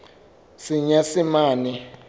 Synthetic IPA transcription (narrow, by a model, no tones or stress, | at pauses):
siɲasimaːnɛ